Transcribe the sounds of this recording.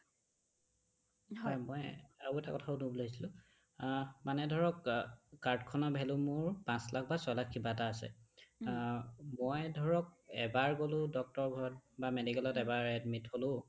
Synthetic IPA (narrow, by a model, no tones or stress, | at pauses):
ɔjmɔjabuɛta̰kɔtʰaunubloisilʊ̃ | manɛdʱɔɹɔkːaɹtkʰɔnɔbʱɛlʊ̃mʊɹpãslak̚ʰbasɔjlakʰːibataːsɛ̰ | mɔjdʱɔɹɔk̚ɛ̰baɹkolʊ̃dɔk̚tɔɹɡʱɔɹɔt̚bamedikɛlɔtɛbaɹɛdmitholʊ